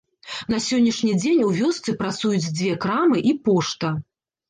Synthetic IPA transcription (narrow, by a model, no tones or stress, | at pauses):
nɐsʲɔnʲːiʂnʲid͡zʲenʲuvʲɔst̪sɨpɾat̪sujut͡sʲd͡zʲvʲɛkɾamɨʔipɔʂt̪ɐ